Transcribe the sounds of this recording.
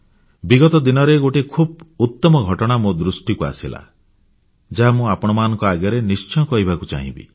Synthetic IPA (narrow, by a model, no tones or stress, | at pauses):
biɡɔt̪ɔd̪inɔɾeɡoʈekʰub̚ut̪ːɔmɔɡʱɔʈɔɽ̃amod̪ɾusʈikua̰sila̰ | d͡ʒaɦamũapɔɽ̃ɔmanɔ̃ŋkɔaɡjɔɾenist͡ʃɔkɔɦibakut͡ʃa̰ɦḭ̃bḭ